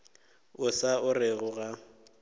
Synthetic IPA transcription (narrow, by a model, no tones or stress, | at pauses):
ʊsaʊrɪɣʊɣa